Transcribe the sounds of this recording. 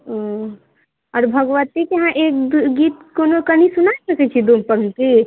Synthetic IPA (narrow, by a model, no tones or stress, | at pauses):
o | ɔɾbʱəɡʋət̪ikeɦãʔek̚ɡit̪konokənisunaesəkɛt͡ʃʰid̪umpəŋke